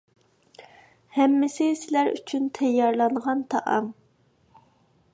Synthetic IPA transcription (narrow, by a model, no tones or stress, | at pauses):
hɛmːɪsɪsɪlæɾy̰t͡ʃʰynt̪ʰɛjːɑɾlˠɑnʁɑnt̪ʰɑʔɑ̰ŋ